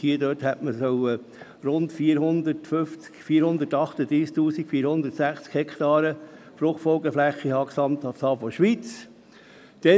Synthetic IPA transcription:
hiəd̪øːthɛtməsɔw | ɾʊntfiːɾhʊnd̪ətføft͡skfiːəɾhʊnd̪ətɑχt̪əd̪ɾiːsk̚t̪uːsikfiːɾhʊnd̪ətsæχt͡skhɛkt̪ɑːɾə | flʊχtfɔlɡəflæχːihɑːksɑmtɑfsɑːfɔʃʋit͡s | d̪̥ɛ

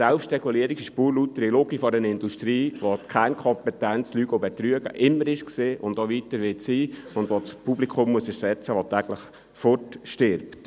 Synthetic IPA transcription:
sɛlpʃtrɛɡ̥uliəɾikɪʃpuːɾlutːəɾiloɡifɔɾənɪnd̥uʃtɾiːʋokʰænkʰɔmpɛtænt͡slyːɡ̥obɛtɾyəɡə̰ʔɪmːəɾɪʃkseːʔʊndoʋitəɾʋɪtsiːʊndʋot͡spublikʰʊmːuəsɛɾsɛt͡səʋotæːɡləχ | fɔɾtʃtɪɾpt

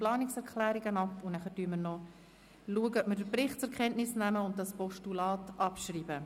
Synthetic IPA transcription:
plɑːnɪksɛɾkʰlæːɾiɡənɑpvonæχəɾdyːəməɾnɔ | luəɡəœpməɾdəɾpɾɪχtt͡sɛɾkʰχɛntnɪsnæməʊntdɑspɔʃtulɑːtɑpʃriːbə

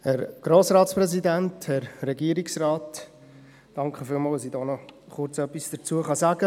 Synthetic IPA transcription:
hɛɾɡ̥ɾoːsrɑːtsprɛsidænthɛɾːɛɡiːəɾiksrɑːt | d̥ɑŋkχəfɪlmɑːləsidɔːnɔχʊɾt͡sœpːisd̥əɾt͡suəχɑzaɡə

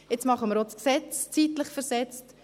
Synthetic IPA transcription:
jɪt͡smɑχəməɾosksɛt͡st͡sitləχfɛɾsɛt͡st

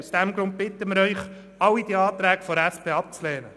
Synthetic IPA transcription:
usd̥̪æmɡɾʊnt̪̚bɪt̪ːəməɾœʏχ | ɑwid̥iɑːt̪ɾæːɡfɔɾæspeːɑp̚t͡slɛːnə

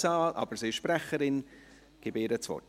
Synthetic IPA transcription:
zaːlʔɑ̰b̥əɾsiːɪʃpɾɛχəɾɪn | ɡ̥ɪbeːɾət͡svɔ̰

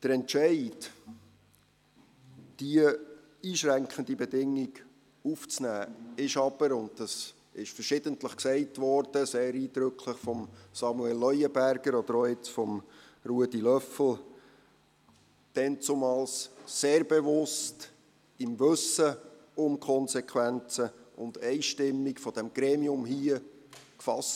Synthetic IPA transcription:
d̥əɾɛntʃɛɪt | d̥iə | iːʃɾæŋkχəndibɛdɪŋːɪɡ | uft͡snæːɪʃɑb̥əɾʊndd̥ɑs | ɪʃfəɾʃɪdəntləχksɛɪtvɔɾd̥əseːɾiːdɾʏkʰləχfɔmsɑmuɛlːœʏəbæɾɡ̥əɾɔd̥̪əɾoɪt͡sfɔm | ruədilœfl̩ | d̥ɛnt͡sumɑlsːeːɾb̥evʊst | ɪmʋɵsə | ʊmkʰɔnsɛkʰwænt͡səʊnd̥ɛɪʃtɪmːikfɔd̥ɛmɡ̥ɾeːmiʊmhiə | kfɑs

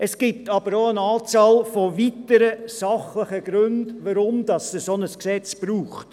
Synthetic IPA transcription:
əsɡ̥ip̚tɑb̥əɾoənɑːt͡sɑːlfoʋitəɾəsɑχləχəɡ̥ɾʉndʋəɾʊmdɑsdəsonəsksɛt͡sb̥ɾuːχt

